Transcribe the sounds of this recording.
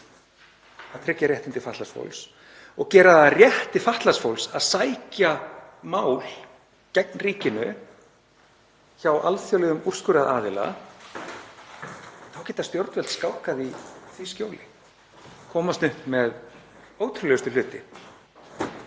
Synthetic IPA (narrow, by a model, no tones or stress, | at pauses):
θaðt̪ʰɾɪcːaɾjɛht̪ɪnt̪ɪfaht̪lasfo̰wls | ɔɣcɛːɾaðarjɛht̪ɪfaht̪lasfowlsaðsaːjcamaːwl | cɛknriːcɪnʏ | çawʔa̰lθjowlɛðʏmur̥skʏɾaðaːðɪla̰ | θawcɛːt̪ast̪jowɾt̪vɛlt̪skaːwhkaðiθiscoːwlɪ | kʰɔːmast̪nʏhpmɛð | oːwt̪ʰɾʏlɛʏst̪ʏl̥ʏːt̪ɪ̰